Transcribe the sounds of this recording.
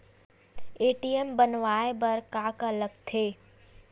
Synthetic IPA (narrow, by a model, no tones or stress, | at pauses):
eːʈiembənʋaːebɐɾkaːkɐləɡt̪ʰeː